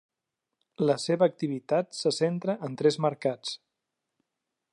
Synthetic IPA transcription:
ləseβəːk̚t̪iβit̪at̪səsent̪ɾəʔənt̪ɾɛzməɾkat͡s

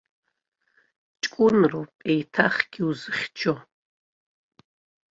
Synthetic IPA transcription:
t͡ʃʼkʷʼʊnrowpʼejtʰaχɡʲiuzɨχʲt͡ʃʰo

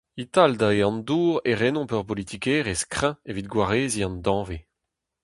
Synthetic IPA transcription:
it̪ald̪aeɑ̃nd̪uːʁeʁenɔ̃pœʁpolit̪ʰikeːʁeskχɛ̃evit̪̚ɡwaʁeːziɑ̃nd̪ɑ̃ːve

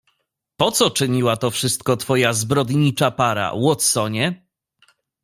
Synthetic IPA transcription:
pɔt̪sɔt͡ʂɘɲiwat̪ɔfʂɘst̪̚kɔt̪fɔjazbɾɔd̪ɲit͡ʂapaɾa̰wɔt̪sɔɲɛ

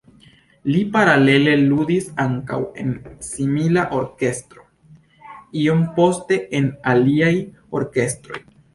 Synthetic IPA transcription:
lipaɾale̞le̞ludisaŋka̰we̞̰nsimilaʔo̞ɾke̞stɾo̞ | io̞mpo̞ste̞enaliajo̞ɾke̞stɾo̞̰j

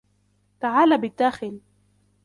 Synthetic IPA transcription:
t̪aʕaːlaːbɪd̪ːaːxɪl

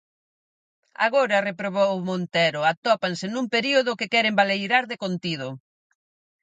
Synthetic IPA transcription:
a̰ɣoɾɐrepɾoβowmont̪ɛɾʊat̪ɔpansɪnumpeɾioðʊkɪkɛɾembalejɾaɾðekont̪ið̞ʊ

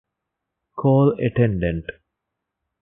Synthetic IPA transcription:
kʰoːlḛʈẽɳɖẽɳʈ

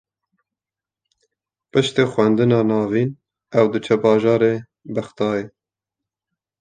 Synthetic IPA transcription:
pɨʃt̪eːxʷwɛnd̪ɨnɑːnɑːviːn | ɛwd̪ɨt͡ʃʰɛbɑːʒɑːɾeː | bæxt̪ɑːjeː

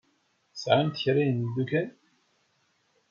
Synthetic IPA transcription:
sʕant̪əçɾind̪ukæn

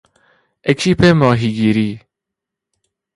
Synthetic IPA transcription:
ekʰiːpʰeːmɑːɦiːɡiːɾiː

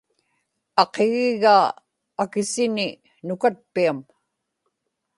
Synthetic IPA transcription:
ɑqeɣɪɣaː | kɪsɪnɪ | nʊkat̪̚piam

